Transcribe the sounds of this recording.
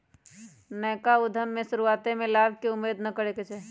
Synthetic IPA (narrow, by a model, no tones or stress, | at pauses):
nɛːkaʊd̪ʱəmːẽʃʊɾuaːt̪emẽlaːbkeʊmːeːd̪nəkəɾeket͡ʃʰe